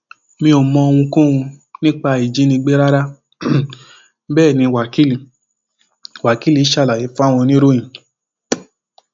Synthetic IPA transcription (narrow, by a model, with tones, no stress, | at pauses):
mĩ˧o˨mɔ̃˧o˧w̃ũ˧kũ˦ũ˧nĩ˦k͡pa˧i˨d͡ʒi˨˦nĩ˧ɡ͡be˦ɾa˦ɾa˦ | bɛː˦˨nĩ˧wa˨ki˦li˧ | wa˨ki˨˦li˨˦ʃa˧˨la˨ji˨˦fa˦˨w̃ɔ̃˧nĩ˦ɾo˦j̃ĩ˨